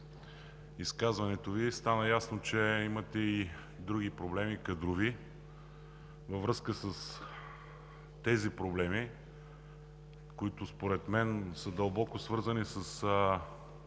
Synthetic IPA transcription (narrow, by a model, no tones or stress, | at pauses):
iskazvɐnɛt̪ovist̪anəjasnot͡ʃɛimɐt̪ɛi | d̪ɾuɡipɾoblɛmikɐd̪ɾʊvi | vɐvɾɤskəsəs | t̪ɛzipɾoblɛmi | koit̪ʊspoɾɛt̪mɛnsəd̪əlˠbɔkʊsvɤɾzənisəsə